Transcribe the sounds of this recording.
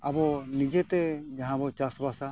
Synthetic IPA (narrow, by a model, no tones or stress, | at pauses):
abɔnid͡ʒɛt̪ɛd͡ʒaɦãbɔt͡ʃasbasa